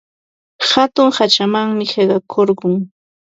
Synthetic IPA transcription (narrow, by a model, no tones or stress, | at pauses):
hat̪ʊŋhat͡ʃamaŋmɪɢeɢɑkʰoɾɢʊŋ